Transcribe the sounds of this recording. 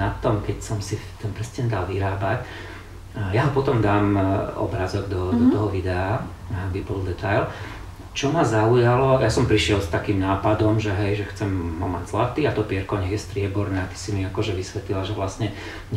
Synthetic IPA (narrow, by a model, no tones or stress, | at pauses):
nat̪ɔmkɛcsɔmsit̪ɛnpɾɛsɲɛɲɛd̪alʋiɾaːbac | jaɦɔpɔt̪ɔmd̪aːmʔɔ̰bɾazɔɡd̪ɔd̪ɔt̪ɔɦɔʋid̪ɛa | abibɔld̪ɛt̪ajl | t͡ʃɔmazaujalɔjasɔmpɾiʃɪɛlst̪akiːmnaːpad̪ɔmʒɛɦɛjʒɛxt͡sɛmɦɔmaɟz̥lat̪iːat̪ɔpɪɛɾkɔɲɛɣjɛst̪ɾɪɛbɔɾnɛːat̪i̥simiakɔʒɛʋisʋɛt̪lilaʒɛʋlasɲɛ | ɲ